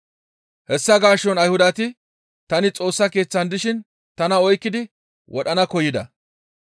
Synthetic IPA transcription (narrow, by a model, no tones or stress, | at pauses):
hɛsːɐɡaːʃːɔnɐjhʊd̪ɐt̪ɪ | t̪ɐnɪt͡sʼo̞ːsːɐke̞ːt͡sːɐnd̪ɪʃɪn | t̪ɐnɐɔjkːɪd̪ɪ | wʔɔɗɐnɐkɔjɪd̪ɐ